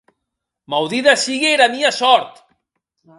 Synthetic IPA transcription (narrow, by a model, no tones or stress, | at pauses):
mawðiðasiɣeeɾamiasɔɾt̪